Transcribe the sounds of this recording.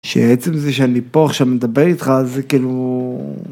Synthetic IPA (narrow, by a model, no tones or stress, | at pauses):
ʃḛet͡semzeʃeanipoaχʃamed̪abeʁit̪χazekiːlu